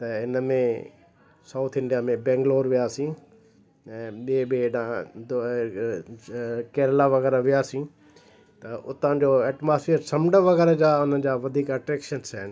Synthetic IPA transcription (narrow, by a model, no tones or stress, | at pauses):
t̪ɐɪnəmẽ | saːʊt̪ʰɪ̃ɳɖijamẽbɛ̃ːŋɡloːɾʋijaːsĩ | ɛ̃ːɓiebeɗãd̪ | kɛːɾlaʋɐɣɛːɾaʋijaːsĩ | t̪ɐʔʊt̪ãd͡ʑoːɛːʈmaːsfeːɾsɐ̃mɖəʋɐɣɛːɾəd͡ʑaːʊn̤əd͡ʑaːʋɐd̪ʱiːkɐʈɾɛːkʃənsaɦɪn̆